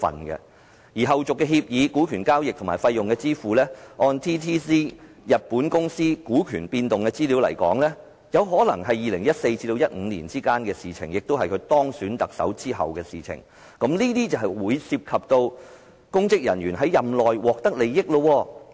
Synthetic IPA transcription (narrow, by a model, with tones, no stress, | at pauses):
fɐ̰˨˩nkɛ̰˧ | jiː˨˩ɦɐ˨wt͡sʊ˨kːɛː˧ɦi˧p̚jiː˨˧kuː˨˥kʰyː˨˩nkaː˥wjɪ˨k̪̚ʰʊ˨˩maː˨˩fɐ˧jːʊ˨ŋkɛː˧t͡siː˥fuː˨˩lɛː˥ʔɔː˧nt̪ʰiː˥t̪ʰiː˥siː˥ | jɐ˨t̚puː˨˥nkʊ˥ŋsiː˥kuː˨˥kʰyː˨˩npiː˧nt̪ʊ˨ŋkɛː˧t͡siː˥liː˨˥wlɐ̰˨˩jkɔ̰ː˨˥ŋlɛː˥ | jɐ˨˧wɦɔː˨˥lɐ̰˨˩ŋɦɐ˨jiː˨lɪ˨˩ŋjɐ˥t̚se˧jt͡siː˧t̪o˧wjɐ˥t̚ŋ̩˨˧nlḭː˨˩nt͡siː˥kaː˥nkɛː˧siː˨˩t͡sʰɪ̰˨˩ŋjɪ˨k̚t̪o˥wɦɐ˨jkʰɵ˨˧ɥt̪ɔː˥ŋsyː˨˥nt̪ɐ˨k̚sɐ̰˨˥wt͡siː˥ɦɐ̰˨wkɛː˧siː˨˩t͡sʰɪ̰˨˩ŋ | kɐ˨˥mliː˥t̪iː˥t͡sɐ˨˩wɦɐ˨˩jwuː˨˧jsiː˧p̚kʰɐ˨p̚t̪o˧w | kʊ˥ŋkɪ˥k̚jɐ̰˨˩njɥyː˨˩nɦɐ˨˥jːɐ˨mlɔː˨jwɔː˨k̚t̪ɐ˥k̚le˨˧jjɪ˥k̚lo˧wɔː˧